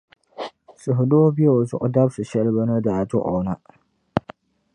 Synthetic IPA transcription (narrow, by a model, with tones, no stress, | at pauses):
sʊ˨ɦʊ˨do˦bi˦e˦˨o˨zʊ̰˨ʔʊ˨da˦bsɨ˨ʃɛ˦lɨ˦ba˦nɨ˦da˨tʊ˦ʔo˨na˦